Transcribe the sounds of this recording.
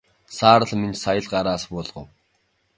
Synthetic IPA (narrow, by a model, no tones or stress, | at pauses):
saːɾə̆ɮminsajə̆ɮɢaɾaːspʊːɮʁə̰̆w